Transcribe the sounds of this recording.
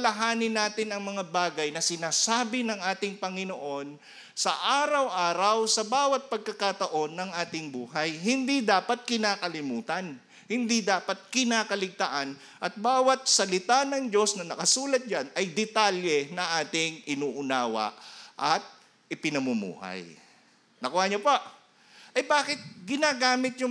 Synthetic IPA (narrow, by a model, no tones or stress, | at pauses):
ɐlɐɦaːnɪnːaːt̪ɪnɐŋmɐŋabaːɡɐjnɐsɪnaːsaːbɪnɐŋʔaːt̪ɪŋpɐŋɪnoʔo̞n | sɐ̰ʔaːɾɐwʔaːɾɐwsɐbaːwɐt̪̚pɐɡ̚kɐkat̪ɐʔo̞nːɐŋʔaːt̪ɪŋbuːɦɐjɦɪnd̪id̪aːpɐt̪̚kɪnaːkɐlɪmuːt̪ɐn | hɪnd̪id̪aːpɐt̪̚kɪnaːkɐlɪɡ̚t̪aʔan | ʔɐt̪̚baːwɐt̪̚sɐlɪt̪anɐŋd͡ʒo̞snɐnɐkɐsuːlɐt̪̚d͡ʒanɐjd̪ɛt̪aljɛnɐŋʔaːt̪ɪŋʔɪnuːʔʊnaːwɐ̰ʔʔɐt̪̚ | ʔɪpɪnɐmumṵːha̰j | nɐkʊhaːɲopaʔ | ʔɐjbaːkɪt̪̚ɡɪnaːɡaːmɪt̪̚jʊ